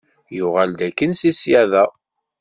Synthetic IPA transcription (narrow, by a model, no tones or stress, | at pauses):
jʊʁæld̪ækːənsisjæðæ